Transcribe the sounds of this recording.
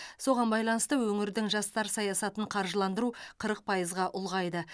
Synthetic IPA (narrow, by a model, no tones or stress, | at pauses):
so̞ʁɑnbɑjlˠɑnəst̪əwɵŋɪɾd̪ɪŋʒɑst̪ɑɾsɑjɑsɑt̪əɴqʰɑɾʒəlˠɑnd̪əɾuqʰəɾəq̚pʰɑjəzʁɑʔʊlˠʁɑjd̪ə